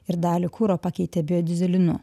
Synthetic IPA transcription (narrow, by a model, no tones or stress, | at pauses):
ɪɾd̪ɑːlʲikʰuːɾoːpɐkʲɛɪt̪ʲebʲɪjoːd̪ʲɪzʲɛlʲɪnʊ̰